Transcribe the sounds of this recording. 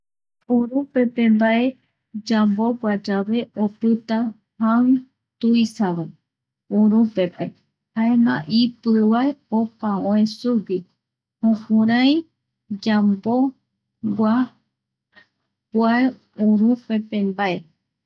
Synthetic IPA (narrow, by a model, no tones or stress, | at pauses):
uɾũpe̞pe̞mbaʔe̞ | d͡ʒambobʷad͡ʒaβe̞ʔopɨt̪a | han | t̪uisaβa | uɾũpe̞pe̞ | haenã̰ʔipɨwaeopaõẽsuwi | hõkũɾ̃ãj̃ | d͡ʒambo̞ | ɡʷa | bwae | uɾũpepe̞mbaʔe̞